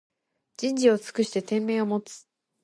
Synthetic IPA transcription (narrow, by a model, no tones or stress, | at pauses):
d͡ʑĩɲ̟d͡ʑio̞t͡sɨ̥kɯ̟ɕi̥t̪e̞t̪ẽ̞mːe̞ːo̞mo̞t͡sɨ̥